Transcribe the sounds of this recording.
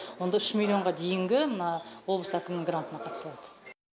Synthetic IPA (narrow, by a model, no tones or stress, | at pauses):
wo̞nd̪ɑʏʃmʲilʲˠioɴʁɑd̪e̞jɪŋɡʲɪmənɑwo̞blˠəsækʲɪmɪnɪŋɡrant̪ənɑqʰɑt̪əsəlˠɑd̪ə̥